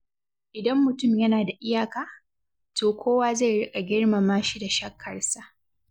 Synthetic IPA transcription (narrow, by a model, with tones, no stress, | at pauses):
ʔɪ˨dɐ˦mːʊ˨tʊ˦˨mjɐ˦naː˨da˨ʔɪ˦jaː˨kaː˨ | toː˨kʷʰoː˦waː˦ze˦˨ɽɪ˦kʼa˨ɡʲɪ˦ɽma˨maː˦ʃi˦da˨ʃɐ˦kʰːɐ˨rsa˦